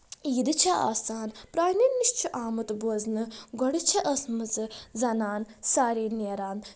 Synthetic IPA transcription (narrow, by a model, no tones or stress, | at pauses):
iːd̪ɨt͡ʃʰɐa̰ːsaːnpɾaːninːiʃt͡ʃʰuʔaːmɨt̪boːznɨɡɔɽɨt͡ʃʰɐʔɐsmɨzɨzɐnaːnsaːɾiːneːɾaːn